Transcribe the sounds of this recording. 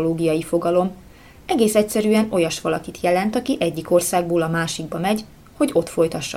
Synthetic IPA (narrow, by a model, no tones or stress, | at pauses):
loːɡijɒjifo̞ɡɒlo̞m | ɛɡeːsɛcsɛɾyɛno̞jɒʃʋɒlɒkit̪jɛlɛnt̪ɒkiʔɛɟːiko̞rsaːɡboːlɒmaːʃiɡ̚bɒmɛɟ | ho̞ɟo̞t̪fo̞jt̪ɒʃːɒ̰